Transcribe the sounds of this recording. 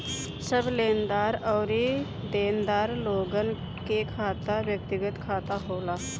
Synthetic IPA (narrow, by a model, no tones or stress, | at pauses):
səbleːnd̪aːɾɔːɾi | d̪eːnd̪aːɾloːɡən | kekʰaːt̪aʋjək̚t̪ɪɡət̪kʰaːt̪aɦoːlaː